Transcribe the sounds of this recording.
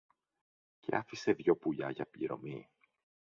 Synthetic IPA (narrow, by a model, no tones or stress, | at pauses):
ce̞̰ɐfise̞ðʝo̞puʎɐʝɐpḭɾo̞̰mi